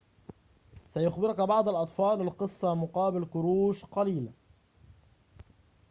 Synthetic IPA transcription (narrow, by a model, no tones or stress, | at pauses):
sajʊxbɪɾʊkabɑʕd̪ˤalʔɑt̪ˤfɑːlɪlqɨsˤːɑmʊqɑːbɪlkʊɾuːʃqɑliːla